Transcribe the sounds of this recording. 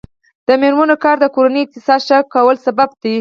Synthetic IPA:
d̪̥əmeɾmanokɑɾd̪əkoɾanəjɪk̚t̪ɪsɑd̪ʃakawəlsabab̚d̪i

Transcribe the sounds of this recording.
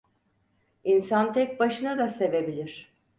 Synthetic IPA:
insant̪ʰɛc̚baʃɯnad̪ase̞ve̞bilʲiɾ̝̥

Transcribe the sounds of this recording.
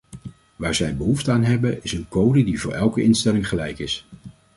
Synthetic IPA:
ʋaːɹzɛjbəɦuftəaːnɦɛbəɪsənkowdədivʊːɹʔɛlˠkəʔɪnstɛlɪŋχəlɛjkɪs

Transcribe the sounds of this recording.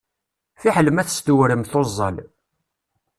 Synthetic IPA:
θiħələmæθə̥st̪uwɾəmθozˤːəl

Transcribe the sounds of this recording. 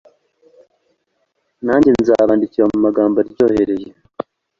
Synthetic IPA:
naːɲɟenizaːβaːndiciɾamumaɡaːmbaɾɟo̞ːhe̞ɾe̞je

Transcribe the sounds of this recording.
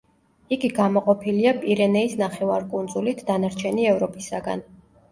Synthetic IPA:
iɡiɡamɔqʼɔpʰiliapʼiɾɛnɛisnaχɛvaɾkʼund̪zulit̪ʰd̪anaɾt͡ʃʰɛniɛvɾɔpʼisaɡa̰n

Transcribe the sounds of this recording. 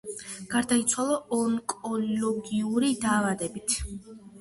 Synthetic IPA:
ɡ̥aɾd̪ait̪sʰwalˠɔɔŋkʼɔlɔɡiuɾid̪aːvad̪ɛbit̪ʰ

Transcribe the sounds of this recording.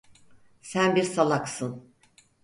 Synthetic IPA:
sænbiɾsalˠaksɯn

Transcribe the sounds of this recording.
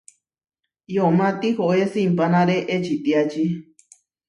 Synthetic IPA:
jomãt̪ihoʔesimpanaɾeʔet͡ʃit̪iat͡ʃi

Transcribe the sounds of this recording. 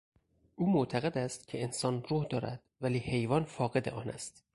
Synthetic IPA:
ʔuːmoʔt̪ʰæɣe̞d̪æst̪cʲʰe̞ensɒːnruːhd̪ɒːɾæ̰d̪̥væliːhe̞jvɒːnfɒːɣe̞d̪eʔɒːnæ̰st̪

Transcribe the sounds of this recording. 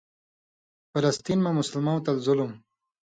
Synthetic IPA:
fɪlast̪inmamʊsalmawt̪alzʊlum

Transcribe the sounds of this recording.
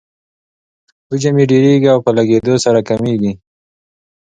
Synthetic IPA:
bud͡ʒameɖeɾeɡiawpəlaɡed̪osaɾakameɡi

